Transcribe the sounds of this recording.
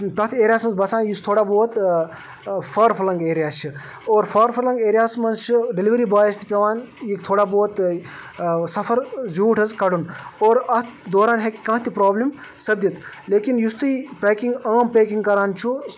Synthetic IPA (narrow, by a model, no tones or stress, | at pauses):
t̪ɐt̪ʰeːɾijaːsmɐsbɐsaːnjust̪ʰoːɽaboːt̪ | pʰɐɾpʰɐlɐŋɡeːɾijaːt͡ʃʰi | oːɾpʰɐɾpʰɐɾlɐŋɡeːɾijaːsmɐnt͡ʃʰiɖeliʋɾibaːjst̪ʰi̥pʲɐʋaːnjikt̪ʰoːɽaboːt̪ | sɐpʰɐɾzuːʈʰɐzkɐɽunoːɾɐt̪ʰd̪oːɾaːnɦekkɐ̃ːt̪ʰipɾoːblim | sɐbd̪it̪ | leːkinjust̪uipeːkiŋɡaːmpeːkiŋɡkɐɾaːnt͡ʃʰu